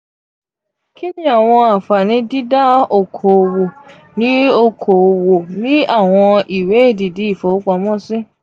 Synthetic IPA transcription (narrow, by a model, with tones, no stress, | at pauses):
ki˦nĩ˦a˦˨w̃ɔ̃˧a˨fa˨nĩ˨˦di˦da˦o˨kʰo˨o˨wo˨ | nĩ˦o˧kʰo˨o˨wo˨nĩ˦a˦˨w̃ɔ̃˧i˨we˨˦e˦˨di˨di˨˦i˦˨fo˨˦k͡pa˧˦mɔ̃˦˨sĩ˦